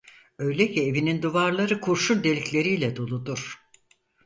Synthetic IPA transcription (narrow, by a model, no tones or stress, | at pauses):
ø̞jlʲecʰie̞vinind̪uvaɾlˠaɾɯkʰuɾʃulʲd̪e̞lʲiclʲe̞ɾijlʲɛd̪olˠud̪uɾ̥